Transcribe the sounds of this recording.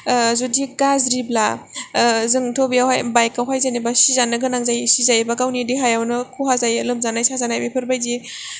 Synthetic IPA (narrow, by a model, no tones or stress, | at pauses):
zudiɡazɾibla | zɯŋtʰobijawhajbajkawɦajzanibasizanːɯɡɯnaŋzajsizajbakawnidiɦajawnɯkʰuɦazajlɯmzanajsazanajmepʰɯɾbajzi